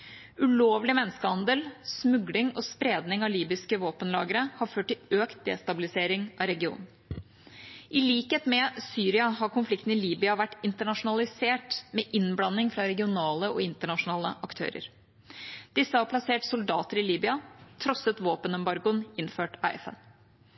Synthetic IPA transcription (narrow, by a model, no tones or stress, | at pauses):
ʉloːʋlɪmɛnːəskəhɑnd̪əlsmʉɡlɪŋɔspɾeːd̪nɪŋɑliːbɪskəʋoːpənlɑ̰ːɡəɾəhɑɾføːʈːɪløːkt̪̚d̪ḛːst̪ɑbɪlɪseːɾɪŋʔɑɾɛɡɪṵːnn̩ | ʔɪliːkheːt̪mɛsyːɾɪɑɦɑɾkʊnflɪkt̪n̩ɪliːbɪɑʋæʈːɪnt̪əɳɑʂʊnɑlɪseːʈmɛʔɪnblɑnːɪŋfɾɑɾɛɡɪʊnɑːləɔɪnt̪əɳɑʂʊnɑːləʔɑkt̪ʰø̰ːɾə̰ɾ | d̪̥ɪsːəhɑɾpʰlɑseːʈsʊld̪ɑ̰ːt̪əɾɪliːbʏɑt̪ʰɾɔsət̪ʋoːpənɛmbɑɾɡʊnɪnføːʈɑ̰ɪɛ̰fə̰n